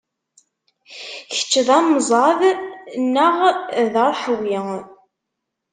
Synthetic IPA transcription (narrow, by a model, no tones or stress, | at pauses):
çə̥t͡ʃːəðæmzˤɑðnəʁðəɾˤħəwjɪ